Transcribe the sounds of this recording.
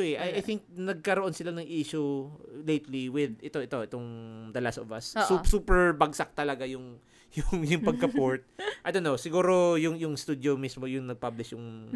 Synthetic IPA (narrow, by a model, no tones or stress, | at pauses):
oɛʔɐjʔajθɪŋk̚nɐɡ̚kɐɾoʔo̞nsɪlanɐŋʔiːʃʊlejt̪liwɪd̪ɪt̪o̞ɛt̪o̞ʔɛt̪oŋd̪ɐlast̪ɔvɐ̰sːusuːpɛɹbɐɡsɐk̚t̪ɐlɐɡajʊŋ | jʊŋjʊŋpɐɡ̚kɐpoɹt̪̚ʔɐjd̪onːowsɪɡuːɾo̞jʊŋjʊŋst̪uːd̪jomismojʊŋnɐɡ̚pablɪʃjʊŋ